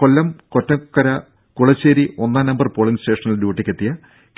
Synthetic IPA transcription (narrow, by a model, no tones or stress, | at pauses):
kolːɐmko̞tːɐkːɐɾɐ | kuɭɐt͡ɕːeːɾio̞nːaːnɐmbɐrpoːɭiŋɡste̞ːʂɐnɐlɖjuːʈːikʲːet̪ːijɐ | k